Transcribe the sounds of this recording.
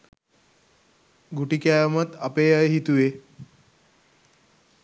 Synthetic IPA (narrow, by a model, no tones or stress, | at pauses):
ɡuʈikjajmət̪apejajɦit̪uʋe